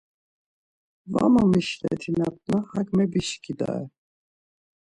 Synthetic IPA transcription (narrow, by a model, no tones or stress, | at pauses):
va̰mamiʃlɛ̰t̪ʰinat̪̚nahakmɛbiʃkʰid̪a̰ɛ